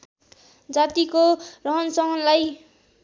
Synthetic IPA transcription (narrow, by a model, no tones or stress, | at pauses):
d͡zat̪ikorʌɦʌnsʌɦʌnlaj